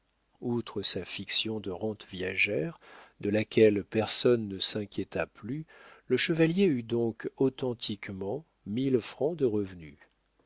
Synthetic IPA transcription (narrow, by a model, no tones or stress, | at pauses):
ut̪χəsafiksjɔ̃d̪əʁɑ̃t̪vjɛʒɛʁd̪əlakʲɛlpɛʁsɔnːəsɛ̃kʲjet̪aplyləʃəvaljeyd̪ɔ̃kɔt̪ɑ̃t̪ʰikmɑ̃ | milfχɑ̃d̪əʁəvny